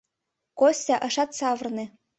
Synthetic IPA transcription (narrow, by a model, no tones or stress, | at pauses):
kosʲːɑʔɤ̆ʃɑt̪sɑvɤ̆rne